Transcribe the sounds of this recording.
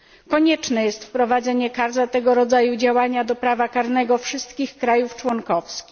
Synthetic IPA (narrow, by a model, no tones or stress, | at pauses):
kɔɲɛt͡ʂnɛjɛst̪fpɾɔvad̪zɛɲɛkaɾzat̪ɛɡɔɾɔd̪zajud͡ʑawaɲad̪ɔpɾavakaɾnɛɡɔfʂɘst̪kʲixkɾajuft͡ʂwɔnkɔfskʲix